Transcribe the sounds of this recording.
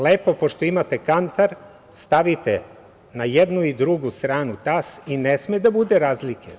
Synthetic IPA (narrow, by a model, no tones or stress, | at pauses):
le̞ːpo̞po̞ʃt̪o̞imat̪ekant̪aɾ | st̪aʋit̪e | najed̪nuid̪ɾuɡust̪ɾaːnut̪asinesmed̪abud̪eɾaːzlikʰḛ